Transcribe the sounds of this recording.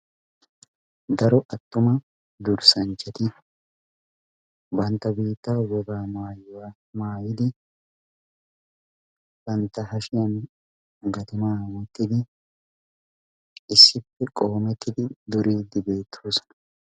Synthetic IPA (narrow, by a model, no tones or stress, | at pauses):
d̪ɐɾɔʔɐt̪ːʊmɐ | d̪ʊɾsɐnt͡ʃːɛt̪ɪ | bɐnt̪ːɐbiːt̪ːawɔɡaːmaːjwa | maːjɪd̪ɪ | b̥ɐnt̪ːɐɦɐʃɪjɐn | ɡɐt̪ʊmaːwɛt̪ːɪd̪ɪ | ɪsːɪpːɛkʼo̞ːmɛt̪ːɪd̪ɪd̪ɔɾiːd̪ːɪbe̞ːt̪ʰːoːsɔ̥nɐ̥